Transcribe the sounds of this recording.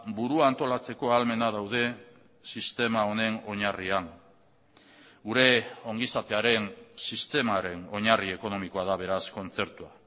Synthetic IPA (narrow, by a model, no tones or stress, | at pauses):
buɾuaːnt̪o̞lat͡se̞ko̞alme̞naðawðe̞ | sist̪e̞mao̞ne̞no̞ɲariaŋ | ɡuɾe̞o̞ŋɡisat̪e̞aɾe̞nsist̪e̞maɾe̞no̞ɲarie̞ko̞no̞miko̞aðaβ̞e̞ɾasko̞nt͡se̞ɾt̪ua